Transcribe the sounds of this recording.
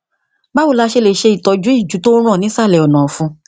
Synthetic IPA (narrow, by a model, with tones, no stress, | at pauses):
ba˦wo˧˦la˧ʃe˧le˨ʃe˧i˨tɔ˨˧d͡ʒũ˨˦i˦˨d͡ʒu˨˦to˦ɾ̃ɔ̃˦˨nĩ˨˦sa˦˨lɛ˨ɔ˨nãː˨fũ˧